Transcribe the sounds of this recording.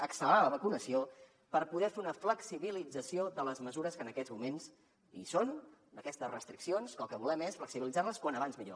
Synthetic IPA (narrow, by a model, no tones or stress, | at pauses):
əksəlaləβəkunəsio | pəɾpuðɛfeunəfləksiβilid͡zəsioðələzməzuɾəskənəkɛzmumens | ḭsond̪əkɛst̪əsrəst̪ɾiksionskəlˠkəβulɛmesfləksiβilidd͡zaɾləskwanəβanzmiʎo̰